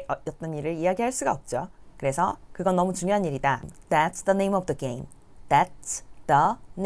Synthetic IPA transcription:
ʌjʌt͈ʌɲiɾɯɾijaɡiɦaɭs͈uɡaʌp̚t͡ɕ͈okɯɾe̞sʰʌkɯɡʌnʌmut͡ɕuŋjoɦaniɾidaðætsðənẽjmʌvdəɡejmð̥ætsðʌn

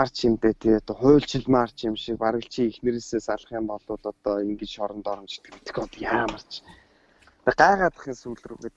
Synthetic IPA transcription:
ar̥t͡ɕɪmt̪eːt̪ʰet̪ɔχʊːɬt͡ɕɪ̆ɮmar̥t͡ɕɪmʃik̚paɾɣə̆ɬt͡ɕʰiːŋixmĕɾeːseːsaɮχiːmpɔɮʊːt̪ɔt̪ɔːiŋɡɘ̆t͡ɕʃɔɾɞ̆nt̪ɔɾɞ̆mt͡ɕi̥t̪ɘ̆kmit̪ɘ̥̆xɔt̪jaːmə̆r̥t͡ɕʰ | pʲiɢaɛʁaːt̪ə̥̆χiːŋsuɮrɘ̆ɣet̪

